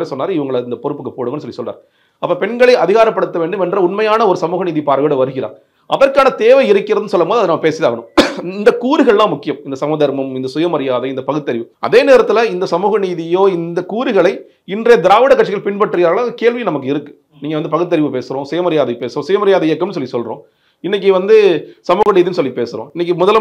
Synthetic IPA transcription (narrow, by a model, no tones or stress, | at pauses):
ɾesɔnːaːɾɯɪʋɐŋɡɐɭɪnd̪ɐpɔɾɯpːɯkːɯpoːɽɯŋɡɐnːɯsɔlːisɔlːra̰ɾ | ɐpːɐːpɛɳɡɐɭɐɪɐðɪɣaːɾɐpːɐɽɯt̪ːɐʋeːɳɖɯmɛndrɐʊɳmɐjaːnɐɔɾɯsɐmuːɣɐniːðipaːɾɐʋɪɽɐʋɐɾɯɣɪɾa̰ː | ʔɐ̰ðɐɾkaːnɐt̪eːʋɐɪɪɾɯkːɪɾɐðɯnːɯsɔlːɐmoːðiɐðɯnɐmːɐpeːsɪðaːɣɐnɯmɪnd̪ɐkuːɾɯɣɐɭlãːmʊkːɪjɐmɪnd̪ɐsɐmuːðɐɾmɐmɪnd̪ɐsʊjɐmɐɾɪjaːðɐɪnd̪ɐpɐɣɯt̪ːɐɾɪʋɯɐ̰ðeːneːɾɐt̪ːɪlɐɪnd̪ɐsɐmuːɣɐniːðɪjoːɪnd̪ɐkuːɾɯɣɐɭɐɪ | ɪndrɐjɐd̪ɪɾaːʋɪɽɐkːɐʈt͡ʃɪɣɐɭpɪɳpɐʈːrɪɣaːɾɣɐɭakeːɭʋinɐmɐkːɯɪɾɯkːɯ̥ | niːŋɡɐʋɐnd̪ɯpɐɣɯt̪ːɐɾɪʋɯpeːsɯɾõːsʊjɐmɐɾɪjaːðɐɪpeːsɯɾõːsʊjɐmɐɾɪjaːðɐɪjɐkːɐmnɯs̬ɔlːisɔlɾõ̰ː | ɪnːɪk̬ːɯʋɐnd̪ɯsɐmuːɣɐniːðinɯsɔlːipeːsɯɾõ̰ːɪnːɪkːɯmʊðɐl